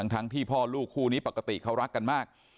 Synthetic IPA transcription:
ŋt̪ʰa˦˥ŋt̪ʰiː˥˩pʰɔː˥˩luː˥˩kʰːuː˥˩niː˦˥pa˨˩kːa˧t̪ḭ˨˩kʰa˦˥wɾa˦˥kːa˧nmaː˥˩k̚

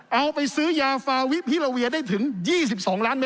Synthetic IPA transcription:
ʔa˧wpa˧jsɯː˦˥jaː˧faː˧wi˦˥p̚pʰiː˦˥˩ɾa˧wi˧ɐdaː˥˩jt̪ʰɯ˩˦ŋjiː˥˩s̬i˨˩p̚sɔː˩˦ŋlaː˦˥nme˦˥

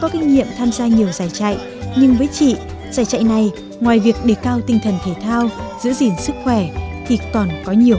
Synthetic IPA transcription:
kɔ˨˦kï˧ŋ̟ɲḭ˧˨əmt̪ʰaː˧mzaː˧ɲi˨˩əwzaː˧˩jt͡ɕa̰˧˨j | ɲɨ˧ŋvəː˨˦jt͡ɕḭ˧˨ | zaː˧˩jt͡ɕa̰˧˨jna˨˩j | ŋwaː˨˩jvi˨˩ək̚ɗe˧˩kkaː˧wt̪ï˧ŋ̟t̪ʰə˨˩nt̪ʰe˧˩t̪ʰaː˧wzɨ̰˧˥əzi˨˩ənsɨ˦˥k̚xwɛ˧˩t̪ʰi˨˩kɔ˨˩nkɔ˨˦ɲi˨˩əw

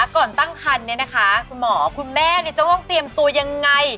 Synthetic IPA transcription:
a˧˥kɔː˨˩nt̪a˥˩ŋkʰa˧nːi˥˩ɐna˦˥kʰa˦˥kʰu˧nmɔː˩˦kʰu˧nmɛː˥˩ni˥˩ɐt͡ɕa˧˩wt̪ɔ˥˩ŋt̪i˧əmt̪u˧ɐja˧ŋːa˧j

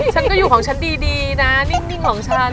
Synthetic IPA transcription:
t͡ɕʰa˦˥nkɔː˥˩juː˨˩kʰɔː˩˦ŋt͡ɕʰa˦˥ndiː˧diː˧na˦˥ni˥˩ŋni˥˩ŋkʰɔː˨˩˦ŋt͡ɕʰa˦˥

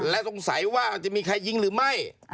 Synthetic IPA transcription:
lɛ˦˥ʔso˨˩ŋsa˩˦jwaː˥˩t͡ɕa˨˩ʔmiː˧kʰa˧jːi˧ŋɾɯː˩˦ma˥˩j

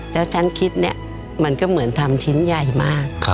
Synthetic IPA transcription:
lɛː˦˥wt͡ɕʰa˦˥nkʰi˦˥t̪̚ni˦˩ | ma˧nkɔ˥˩mɯ˩˦ənt̪ʰa˧mt͡ɕʰi˦˥nja˨˩jmaː˥˩k̚ʰ

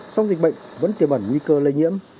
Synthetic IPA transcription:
sa˧wŋ͡mzi˨˩k̟̚ɓə̰˧˨jŋ̟və̰˧˥nt̪i˨˩əmɓa˧˩nŋwi˧kəː˧lə˧jɲḭ˧˥əm

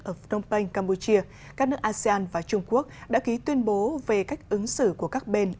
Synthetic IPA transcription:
ʔəː˧˩ɗə˧wŋ͡mpə˧jŋ̟kaː˧mpu˧t͡ɕi˧ə | kaː˦˥k̚nɨ˦˥əkʔaː˧si˧aː˧nvaː˨˩t͡ɕʊ˧ŋ͡mku˦˥ək̚ɗa̰ː˧˥ki˨˦t̪wi˧ənɓo˨˦ve˨˩ka˦˥jk̟̚ʔɨ˨˦ŋsɨ̰˧˨ku˧˩əkaː˦˥k̚ɓe˧n

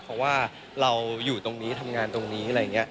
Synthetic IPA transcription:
pʰɔ˦˥waː˥˩ | ɾa˧wjuː˨˩t̪o˧ŋniː˦˥t̪ʰa˧mŋaː˧nt̪o˧ŋniː˦˥ʔa˨ɾa˧jːa˨˩ŋːi˦˥ɐ

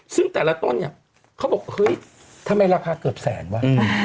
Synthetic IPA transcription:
sɯ˥˩ŋt̪ɛː˨˩la˧˥t̪o˧˥˨nːi˧˩ɐ | kʰa˦˥˩wbɔː˨˩k̚hɤː˦˥˩j | t̪ʰmːa˧jɾaː˧kʰaː˧kɤː˨˩p̚sɛ̰ː˩˦nwaː˦˥˧

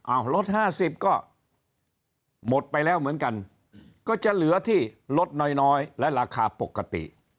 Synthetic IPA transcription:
ʔaː˧˩wlo˦˥t̪̚haː˥˩si˨˩p̚kɔː˥˩ | mo˨˩t̪̚pa˧jlɛː˦˥˩wmɯ˩˦ənka˧n | kɔː˥˩t͡ɕa˨˩lɯ˨˩˦ɐt̪ʰiː˥˩lo˦˥t̪̚nɔː˧jnɔː˦˥jlɛ˦˥ʔɾaː˧kʰaː˧po˨˩kːa˧t̪ḭ˨˩ʔ

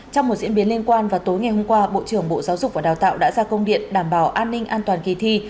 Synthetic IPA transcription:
t͡ɕɔ˧wŋ͡mmo˨˩t̚z̥̰ənɓi˨˦əli˧ənkwaː˧nvaː˨˩t̪o˨˦jŋa˨˩jho˧ŋ͡mkwaː˧ɓo̰˧˨t͡ɕɨ˧˩əŋɓo̰˧˨zaː˨˦wzʊ˨˩k͡p̚vaː˨˩ɗaː˨˩wt̪a̰ː˧˨wɗa̰ː˧˥zaː˧kə˧wŋ͡mɗḭ˧˨ənɗaː˧˩mɓaː˧˩wʔaː˧nːï˧ŋ̟ʔaː˧nt̪waː˨˩nki˨˩t̪ʰi˧

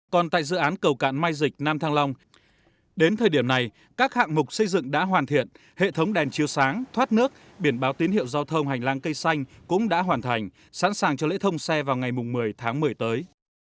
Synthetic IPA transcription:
kɔ˨˩nt̪a̰ː˧˨jzɨ̰˧˨ʔaː˨˦nkə˨˩wka̰ː˧˨nmaː˧jzï˨˩k̚naː˧mt̪ʰaː˧ŋla˧wŋ͡m | ɗe˨˦nt̪ʰəː˨˩jɗi˧˩əmna˨˩j | kaː˦˥k̚ha̰ː˧˨ŋmʊ˨˩k͡p̚sə˧jzɨ̰˧˨ŋɗa̰ː˧˥ɦwaː˨˩nt̪ʰḭ˧˨ən | hḛ˧˨t̪ʰə˨˦wŋ͡mɗɛ˨˩nt͡ɕi˨˩əwsaː˨˦ŋt̪ʰwaː˦˥t̚nɨ˦˥ək̚ | ɓi˧˩ənɓaː˨˦wt̪i˨˦nhḭ˧˨əwzaː˧wt̪ʰə˧wŋ͡mɦa˨˩jŋ̟laː˧ŋkə˧jsa˧jŋ̟kʊ̰˧˥ŋ͡mɗa̰ː˧˥ɦwaː˨˩nt̪ʰa˨˩jŋ̟ | sa̰ː˧˥nsaː˨˩ŋt͡ɕɔ˧lḛ˧˥t̪ʰə˧wŋ͡msɛ˧vaː˨˩wŋa˨˩jmʊ˨˩ŋ͡mmɨ˨˩əjt̪ʰaː˨˦ŋmɨ˨˩əjt̪əː˨˦j

